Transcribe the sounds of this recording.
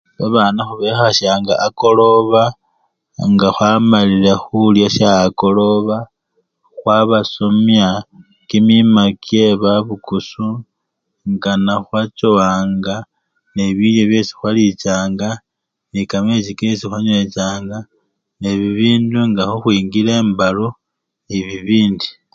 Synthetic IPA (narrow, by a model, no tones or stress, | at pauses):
βaβaːnaxuβexaʃjaŋɡa̰ːko̞lo̞βa | ŋɡaxwamalilaxuljaʃjaːko̞lo̞βa | xwaβasomja | kimimakje̞βaβukusu | ŋɡanaxwat͡ʃoaːŋɡa | neβiljoβje̞si̥xwalit͡ʃaːŋɡa | nikamet͡ʃikesixwaɲet͡ʃaːŋɡa | neβiβiːnduŋɡaxuxwiːŋɡile̞ːmbalo | eβiβiːndi